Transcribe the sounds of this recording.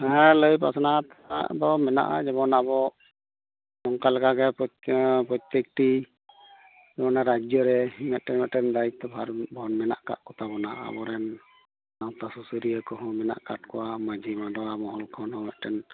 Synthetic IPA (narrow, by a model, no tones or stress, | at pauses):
həaləjpa̰sɔnat̪ | a̰ʔd̪ɔmɛna̰ʔa̰d͡ʒɛβɔnabɔ | mɔŋkalakaɡɛpɔpɔt̪ek̚ʈi | d͡ʒɛbɔnaɾad͡ʒɔɾɛhimɛt̪̚ʈɛnmɛʔʈɛnd̪aik̚t̪ɔbʱaɾbʱɔnmɛna̰ʔka̰ʔkɔt̪ʰabɔnaa̰bɔɾɛn | nawt̪asusuɾijəkɔɦɔ̃mɛna̰ʔkaʈ̚kɔwamad͡ʒʱimadɔwamɔɦɔlkʰɔnɔmɛt̪̚ʈɛn